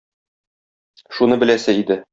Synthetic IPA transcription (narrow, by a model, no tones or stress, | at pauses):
ʃunɤbɘ̆læsɘid̪ɘ